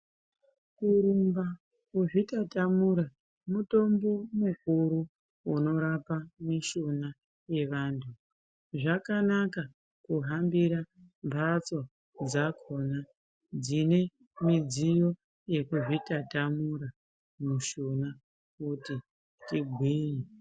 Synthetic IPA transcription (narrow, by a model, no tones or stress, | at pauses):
kuɾumba | kuʐitatamuɾa | muto̞mbo̞mukuɾu | uno̞ɾapamiʃona | je̞ʋaːntʰu | ʐakanaka | kuɦambiɾa | mbʱat͡so | d͡zakʰo̞na | d͡zine̞ | mid͡zijo̞ | je̞kuʐitatamuɾa | muʃona | kuti | tiɡʱwiːi